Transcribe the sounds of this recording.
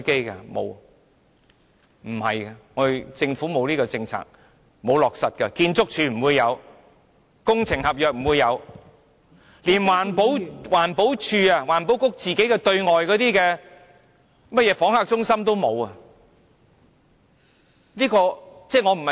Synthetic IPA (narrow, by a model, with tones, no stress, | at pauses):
ke˥jkɐ̰˧mo̰˨˧w | m̩˨˩hɐ̰˨jkɐ˧ŋɔː˨˧˨t͡sɪ˧ŋfuː˨˥mo˨˧wliː˥kɔ˧t͡sɪ˧ŋt͡sʰa̰ː˨k̚ | mo˨˧wlɔː˨k̚sɐ˨t̚kɐ˧kiː˧nt͡sʊ˥k̚t͡ʃʰyː˧˩m̩˨˩wuː˨˧jːɐ˨˧w | kʊ˥ŋt͡sʰɪ˨˩ŋhɐ˨p̚jœː˨k̚m̩˨˩wuː˨˧jːɐ˨˧w | liː˨˩nwaː˨˩npo˨˥wwaː˨˩npo˨˥wt͡ʃʰyː˧ɐ˧waː˨˩npo˨˥wkʊ˥k̚t͡siː˨ke˨˥jkɛ˧t̪ɵ˧ɥŋɔː˨jkɔː˨˧˥t̪iː˥kɛː˧ | mɐ˥t̚jɛː˨˧fɔː˨˥ŋhaː˨˧k̚t͡sʊ˥ŋsɐ˥mt̪o˥wmo˨˧wɐ˨ | liː˥kɔː˧t͡sɛː˥˩ŋɔ˨˧m̩˨˩hɐ˨